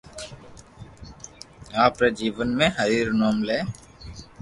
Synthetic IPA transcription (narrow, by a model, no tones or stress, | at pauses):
aːpɾeːd͡ʒiːʋənmẽːɦəɾiːɾnoːmleː